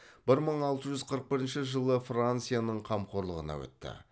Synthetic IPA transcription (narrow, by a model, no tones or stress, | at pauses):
b̥ɪɾməɴɑlˠt̪əʒʏzqʰəɾəq̚bɪɾɪnʃɪʒəlˠəfrant̪sɨjanəɴqʰɑmqʰo̞ɾlˠəʁənɑ̰wɵ̰t̪ːɪ̰